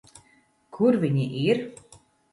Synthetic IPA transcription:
kʰuɾvʲiɲʲiʔiɾ

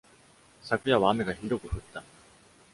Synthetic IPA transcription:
sakɯ̟jaβaːme̞ɡaçiɾo̞kɯ̟ɸɯ̟t̪ːa

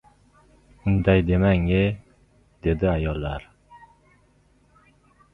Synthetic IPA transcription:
ʊnd̪ajd̪emaŋe | d̪̥ed̪ɪajɒlˠːaɾ

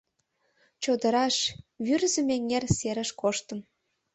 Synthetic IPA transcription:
t͡ɕod̪ə̆ɾɑʃβyrzə̆meŋerseɾə̆ʃkoʃt̪ə̆m

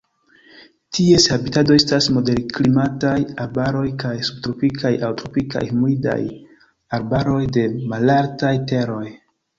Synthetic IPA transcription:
tieshabitado̞estasmo̞de̞ɾklimatajaɾbaɾo̞jkajsub̚tɾo̞pikʰajʔawtɾopika̰jmuida̰j | aɾbaɾo̞jde̞malaɾtajte̞ɾo̞j

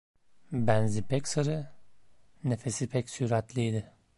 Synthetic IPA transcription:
bænzipʰɛcsaɾɯ | ne̞fe̞sipʰɛkcsyɾat̪lʲijd̪ɪ

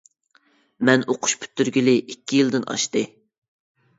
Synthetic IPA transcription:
mɛnoqʰʊ̥ʃpʰy̥t̪ːyɾɡʲilɪʔikʲːijilˠd̪ɪnʔɑ̰ʃt̪ɨ

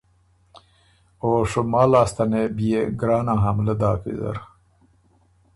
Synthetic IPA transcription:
oːʂumɑːlɑːst̪anebieɡɾɑːnaɦamləd̪ɑːkḭza̰ɾ

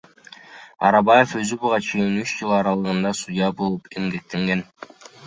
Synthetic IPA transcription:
ɑ̰ɾɑbaje̞fø̞zybuʁɑt͡ʃʰe̞jinyt͡ʃd͡ʒɯlˠɑɾɑlˠɯʁɯnd̪ɑsujɑbolˠupʰe̞mɡe̞k̚t̪e̞ŋɡe̞n

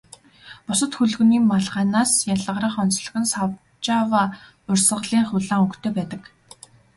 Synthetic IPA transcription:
pʊsə̆t̪xɵɮɣɵ̆niːmaɮʁaːnaːsjaɮə̆ɾə̆χɔnt͡sɮə̆ɣɘ̆nsaw | t͡ɕaːwaː | ʊrʲsə̆ʁɮiːŋχʊɮaːŋɵŋkt̪ʰeːpæːt̪ə̆k

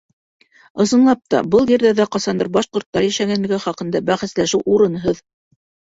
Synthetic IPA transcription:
ɤ̆sɤ̆nlˠɑp̚t̪ɑ̰bɤlˠjɘ̆ɾðæðæqɑsɑnd̪ɤɾbɑʃqŏɾt̪ːɑɾjæʃæŋænlɘ̆ɡæχɑqɤ̆nd̪ɑbæχæslæʃɘwʔuɾɤ̆nɦɤð

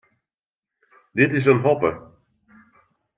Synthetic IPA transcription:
dɪtɪs̬ənɦɔpə̰

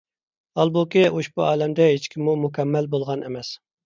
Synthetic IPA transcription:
ɑlˠbukʲioʃbuɑːlɛmd̪ɛɦet͡ʃkʲʰimːumukʲʰɛmːælbolˠʁɑnɪmɛs

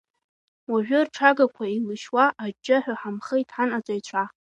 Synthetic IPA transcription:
waʒᶣʷʊrʈ͡ʂʰaɡakʷʰailɨʃwaʔːd͡ʒːɨħʷᶣaħamχəjtʰʼħanat͡sʼajt͡ɕʷʰa

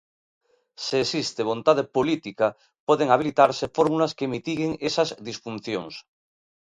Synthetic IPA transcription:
seːsist̪eβo̞nt̪að̞epolit̪ika | poðeŋaβ̞ilit̪aɾsefoɾmulaskemit̪iɣeŋesazðisfun̟θjo̰ŋs

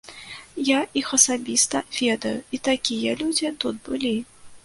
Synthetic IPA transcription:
jaixɐsabʲist̪ɐvʲɛd̪ɐjuit̪akʲijɐlʲud͡zʲit̪ud̪̚bɨlʲi

